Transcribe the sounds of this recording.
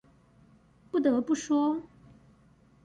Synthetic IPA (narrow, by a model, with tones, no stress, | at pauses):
pu˥˩t̪ɤ˧˥pu˥˩ʂwɔ˥